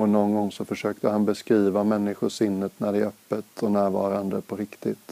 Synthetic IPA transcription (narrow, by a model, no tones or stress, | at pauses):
ɔnɔnɡɔŋːsɔfœʂøːkt̪əhanbɛskɾiːvamɛnːɪɧʊʂɪnːət̪næɖɛæɾœpːət̪ʰɔnæːɾvɑ̰ːɾand̪əpʰɔɾɪkt̪ɪt̪